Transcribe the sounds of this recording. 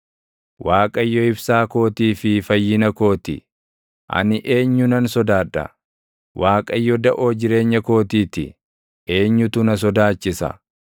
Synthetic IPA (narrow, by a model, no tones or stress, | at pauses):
waːkʼɐjːɔɪbsaːko̞ːt̪iːfɪfɐjːɪnɐko̞ːt̪ɪ̰ | ʔɐ̰nɪʔe̞ːɲːʊnɐnsɔd̪aːᶑɐ̰ | wʔaːkʼɐjːɔd̪ɐʔo̞ːd͡ʒɪɾe̞ːɲːɐko̞ːt̪iːt̪ɪ | e̞ːɲːʊt̪ʊnɐs̬ɔd̪aːt͡ʃːɪsɐ̰